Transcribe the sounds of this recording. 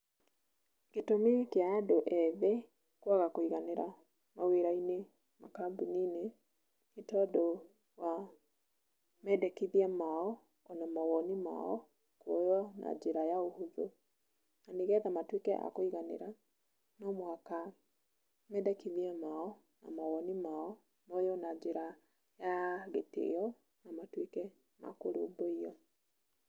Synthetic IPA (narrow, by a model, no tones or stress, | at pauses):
ketomekjaːdoʔɛðe | kwaɣakoiɣaneɾa | maweɾaine | makambunine | itɔdɔ | wa | mɛdɛkiðiamaɔ | ɔnamaɣɔnima̰ɔ̰ | kojɔna̰d͡ʒeɾajaohuðo̰ | naniɣɛðamatwikɛʔa̰koiɣanḛɾa | nɔmwaka | mɛdɛkiðiɛmaɔ | na̰maɣɔnimaɔ | mojɔnaɲd͡ʒeɾa | jaɣetḛjɔ | namatwikɛ | ma̰koɾo̰boiɔ